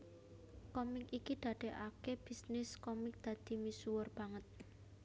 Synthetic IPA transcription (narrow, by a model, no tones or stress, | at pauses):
kɔmɪkikid̪̥ä̤ɖ̪̥e̤ʔakeb̥i̤snɪskɔmɪk̚d̪̥ä̤d̪̥i̤misuwərb̥a̤ŋət̪̚